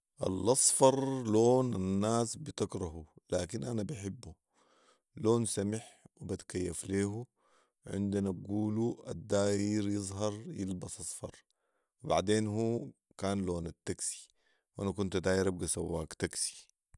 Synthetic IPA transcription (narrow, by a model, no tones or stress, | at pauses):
ʔa̰lʔɑsˤfɑɾˤloːnanːaːsbit̪akɾˤɑɦulaːkinʔanabaħɪbːu | loːnsamɪħwibat̪kajːafleːɦu | ʕɪ̰nd̪inabɡuːlua̰d̪ːaːjɪɾjɨzˤɦɑɾˤjɪlbɑsˤʔɑsˤfɑ̰ɾˤ | wiba̰ʕd̪eːnhuː | kaːnloːnat̪ːaksi̥ | wʔanakunt̪ad̪aːjɾʔab̚ɡasawːaːkt̪aksi̥